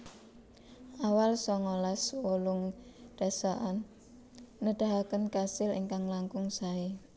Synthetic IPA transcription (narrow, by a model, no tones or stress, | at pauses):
ʔawalsɔŋolaswolʊŋɖ̥a̤saʔanː | əd̥a̤ɦakənkasɪlḭŋkaŋlaŋkʊŋsai